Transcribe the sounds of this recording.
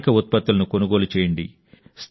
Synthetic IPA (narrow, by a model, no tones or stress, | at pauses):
kɐut̪̚pɐt̪ːulɐnuko̞nuɡoːlut͡ʃeːjɐɳɖḭ | st̪